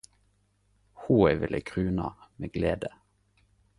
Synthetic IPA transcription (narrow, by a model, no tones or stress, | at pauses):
huːɛʋɪlʔəkʰʁʉːnɑ̰meːɡleːd̪ə